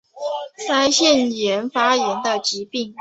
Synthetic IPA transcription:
sa˥ɪɕjɛ˥˩njɛ˧˥nfa˥jɛ˧˥nd̪ə˧t͡ɕi˧˥pi˥˩ŋ

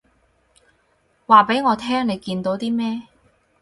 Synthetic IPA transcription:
waː˨pe˨˥jŋɔː˨˧t̪ʰɛː˥ŋne˨˧jkiː˧nt̪o˨˥wt̪iː˥mɛː˥

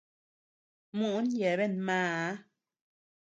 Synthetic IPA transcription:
mu˦ʔn˦jɛ˨βe˦˨nmãː˦˨˦

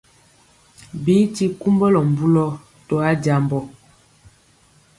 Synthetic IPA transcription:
bi˨˦ti˦ku˦mbə˦lɔ˨m̩˨bu˦lɔ˦ | tɔ˨a˦da˨mbɔ˨

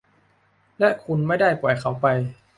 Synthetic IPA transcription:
lɛ˦˥ʔkʰu˧nma˥˩jda˥˩jpu˨˩əjkʰa˧˩˦wpa˧j

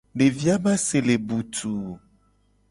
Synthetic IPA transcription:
ɖe˨vi˦a˦ba˦se˨le˨bu˨t̪u˨

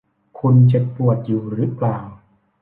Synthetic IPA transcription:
kʰu˧nt͡ɕe˨˩p̚pu˨˩ət̪̚juː˨˩ɾɯ˦˥plaː˨˩w

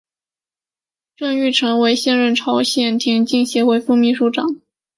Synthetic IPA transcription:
ʈ͡ʂɤ˥˧ŋy˥˩ʈ͡ʂʰɤ˧˥ŋwe˧˥ɪɕjɛ˥˧nɻə˥˩nʈ͡ʂʰɑ˧˥ʊɕjɛ˥˩nt̪ʰi˧˥ŋt͡ɕi˥˩ŋɕjɛ˧˥we˥˩ɪfu˥˧mi˥˧ʂu˧˥˩ʈ͡ʂɑ˨˩˦ŋ

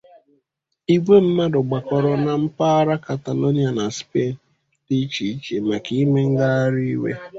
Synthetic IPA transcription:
i˦ɡʷe˦m̩˦ma˦dʊ˨ɡ͡ba˨kɔ˨ɾɔ˨na˨m̩˦pa˦a˦ɾa˦ka˨ta˨lo˦ni˦a˨na˨spe˦˨n | di˦t͡ʃi˨i˦t͡ʃe˨ma˨ki˦me˦ŋ̩˦ɡa˦a˦ɾi˦i˦wḛ˦

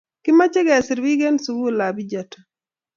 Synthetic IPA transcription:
kɪ˦ma˦t͡ʃe˦ɡɛ˨sɪ˨ɾwi˦ɡe˦nsu˦ɡu˦˨la˨bi˦d͡ʒa˨tḁ˨

